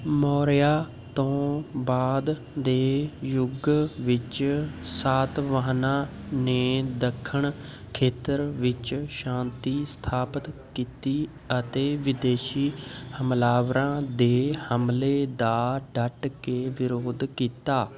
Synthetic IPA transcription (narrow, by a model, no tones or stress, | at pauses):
mɔːɾjaː | t̪õːbaːd̪ː | eːjʊɡʋɪt͡ʃsaːt̪ʋəɦnãː | neːd̪əkʰːəɳ | kʰeːt̪əɾʋɪt͡ʃʃãːnt̪iːst̪ʰaːpət̪kiːt̪iː | ət̪eːʋɪd̪eːʃiːhəmlaːʋɾãːd̪eːhəmleːd̪aːɖəʈkeːʋɪɾoːd̪kiːt̪aː